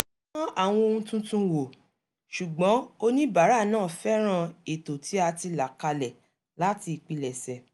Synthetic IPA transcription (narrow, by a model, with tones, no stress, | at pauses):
ɔ̃˦a˦˨w̃ɔ̃˧o˧ũ˧tũ˦tũ˦wo˨ | ʃu˨ɡ͡bɔ̃˨˦o˧nĩ˦ba˨˦ɾa˦˨nãː˦˨fɛ˦ɾ̃ã˧e˨to˨tʰi˨˦a˧ti˧la˨ka˧lɛ˨ | la˦ti˧i˨k͡pi˧lɛ˨sɛ˨